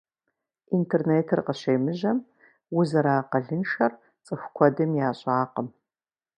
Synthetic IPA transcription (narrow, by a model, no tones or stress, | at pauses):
intʰerneːtʰɨrqəɕejmɨʑɐm | wʊzɐɾaːqɐɮɨnʃɐr | t͡sʼɨxʷkʷʰɔdɐmjaːɕʼaːqəm